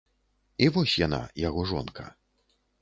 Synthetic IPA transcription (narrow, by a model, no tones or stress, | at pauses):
ivɔsʲjana̰jaɣɔʐɔnkʰɐ̰